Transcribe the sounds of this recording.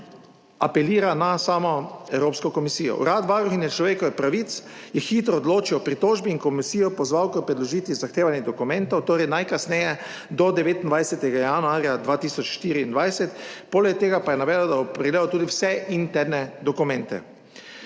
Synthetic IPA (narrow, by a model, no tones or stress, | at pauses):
apɛliːɾanasaːmɔɛwɾoːpskɔkɔmisiːjɔ̰ṵɾat̪ʋaɾuxinjɛt͡ʃlɔʋeːkɔʋɛpɾaʋit̪sjɛxiːt̪ɾɔːd̪loːt͡ʃiwɔpɾit̪oːʒbiːnkɔmisiːjɔpɔzʋawkɔpɾɛd̪lɔʒiːt̪ʋizaxt̪eːʋanjɛd̪ɔkumɛ̃nt̪ɔwt̪oːɾɛjnajkasnɛjɛ | d̪ɔd̪ɛʋeːt̪ind̪ʋajsɛt̪ɛɡajanuaːɾjad̪ʋaːt̪iːsɔt͡ʃʃt̪iːɾiːnd̪ʋajsɛt̪poːlɛk̚t̪eːɡapajɛnaʋɛːd̪d̪abɔpɾɛɡleːɔt̪uːd̪iwsɛʔint̪ɛɾnɛd̪ɔkumɛ̃nt̪ɛ̰